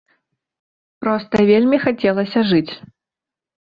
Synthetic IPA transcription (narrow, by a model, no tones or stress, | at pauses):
pɾɔst̪ɐvʲelʲmʲixat͡sʲɛlˠɐsʲɐʐɨt͡sʲ